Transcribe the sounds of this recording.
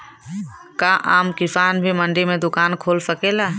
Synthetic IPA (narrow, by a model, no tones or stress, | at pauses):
kaːʔaːmkɪfaːnbʱimə̃ɳɖimẽd̪ʊkaːnkʰoːlsəkeːlaː